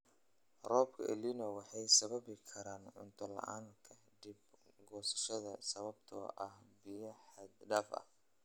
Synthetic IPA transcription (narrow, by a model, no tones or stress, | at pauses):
rɔːbkʰɐ̰ʔɛ̰linɔwɑħɑjsɐβɐβɪkʰɐɾaːnʕʊ̰nt̪ʰɐlɐ̰ʔa̰ːnkʰɐ | d̪ibɡɔːsɐ̥ʃɐðɐsɐβɐb̚t̪ʰɔ̰ʔɐhbɪjɐħɑd̪ɖɐːfɐ̰h